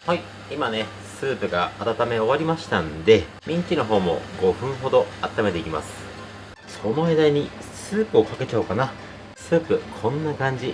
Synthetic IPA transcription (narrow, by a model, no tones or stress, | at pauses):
hai | imane̞ | sɨːpɯ̟ɡaːt̪at̪ame̞o̞βaɾʲimaɕi̥t̪ãnd̪e̞ | mʲĩɲ̟kʲino̞ɦo̞ːmo̞̰ɡo̞ɸɯ̟̃ɰ̃ɦo̞d̪o̞at̪ːamed̪e̞ikʲima̰sɨ̥ | sono̞ed̪aiɲ̟i | sɨːpɯ̟o̞kake̞t͡ɕaːkana | sɨːpɯ̟kʰõ̞nːakãɲ̟d͡ʑi